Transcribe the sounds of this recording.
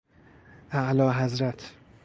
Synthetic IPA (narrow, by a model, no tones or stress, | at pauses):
ʔæʔlɒːɦæzɾæt̪ʰ